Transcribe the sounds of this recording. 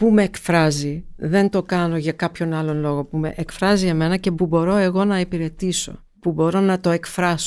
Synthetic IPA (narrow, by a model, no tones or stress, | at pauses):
pumeːkfɾɐziðe̞nt̪o̞kɐno̞ʝɐkɐpço̞nɐlo̞nlo̞ɣo̞pume̞̰ʔekfɾɐzie̞me̞nɐce̞pubo̞ɾo̞e̞ɣo̞nɐipiɾe̞t̪iso̞̰ | pubo̞ɾo̞nɐt̪o̞e̞kfɾɐso